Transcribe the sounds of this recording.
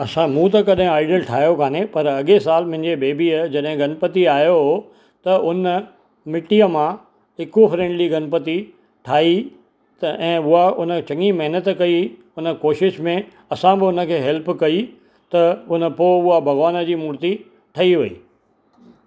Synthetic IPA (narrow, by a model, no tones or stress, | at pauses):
ɐsãmũt̪ɐkɐɗɦɪ̃aːɪɖəlʈʰaːjokʰaːnepɐɾɐɠesaːlmʊ̃ɦɪ̃ɲd͡ʑebeːbiəd͡ʑɐɗɦɪ̃ɡɐnpət̪iaːɦjoɦo | t̪ɐʊnə | mɪʈijəmã | ɪkofɾẽːɳɖliɡɐnpət̪i | ʈʰaːi | ɛ̃ːʊɦaʊnə̆t͡ɕɐ̃ŋimɐɦɪnət̪kɐi | ʊnə̆koːʃɪʃmẽ | ɐsãbɪʊnə̆kʰeːɦɛlpkɐi | t̪ɐʊnəpoːʊɦabʱɐɣʋaːnə̆d͡ʑiːmuːɾt̪i | ʈʰɐiʋɐḭː